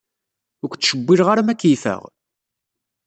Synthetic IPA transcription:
ʊkʷt͡sːʃəbːiɾʁaɾmækːifə̰ʁ

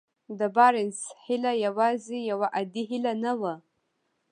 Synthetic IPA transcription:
d̪əbɑɾɪnshɪlajawɑzejawaʔad̪iɦɪlanawa

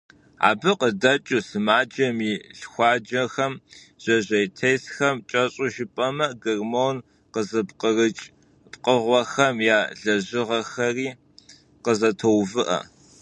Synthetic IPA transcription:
a̰ːbɨqədɐt͡ʃʼusɨmaːd͡ʒɐmiːɮxʷɑːd͡ʒɐxɐm | ʑ̥ɐʑʷɐjtʰejsxɐmt͡ʃʼɐɕʼuʒɪpʼɐmɐɡɨrmon | qəzɨpqərɨt͡ʃʼ | pqəʁʷɔxɐmjaːɮɐʑɪʁɐxɐriː | qəzɐtʰowvɨʔɐ̰

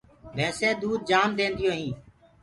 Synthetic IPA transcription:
bɛ̃ːseːd̪uːd̪̚d͡ʒaːmd̪ẽːnd̪ɪjõːɦĩː

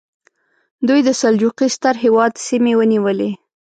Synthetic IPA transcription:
d̪ujd̪əsald͡ʒuqist̪aɾɦewɑd̪simewəniwəle

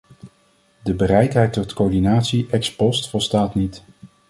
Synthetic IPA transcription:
dəbərɛjtɦɛjtɔtkoːɹdinaːtsiʔɛkspɔstfɔlˠstaːtnit

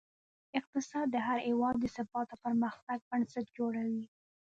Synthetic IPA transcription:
ɪq̚t̪ɪsɑd̪ːəɦaɾhewɑd̪ːəsabɑt̪opəɾməxt̪aɡ̚bənsat̪̚d͡ʒoɽawi

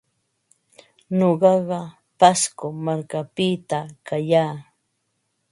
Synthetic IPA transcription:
ɲoɢɑɢɑ | paskomaɾkapɪt̪akajaː

